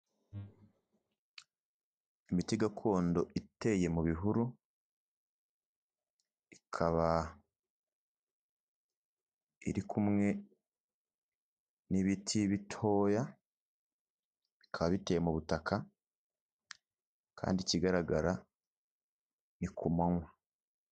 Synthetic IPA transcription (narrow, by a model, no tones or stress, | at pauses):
imitiɡakʰo̞ːndo̞ʔite̞je̞muβiɦuɾu | ikʰaβa | ḭɾikʰumŋe̞ | niβitʰiβitʰo̞ːja | βi̥kʰaβaβitejemuβutakʰa | kʰa̰ːndiciɡaɾaɡaɾa | nikʰumaŋwa